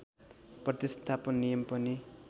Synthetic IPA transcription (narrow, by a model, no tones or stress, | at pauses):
prʌt̪ist̪ʰapʌnːijʌmpʌni